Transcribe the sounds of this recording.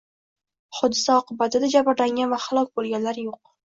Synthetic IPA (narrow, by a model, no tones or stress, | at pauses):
χʊd̪ːɪsaɒqɨbat̪ʰɪd̪ad͡ʒabɪɾlaŋɡʲanvahalˠɒkʲbolˠɡʲanlaɾjoq̚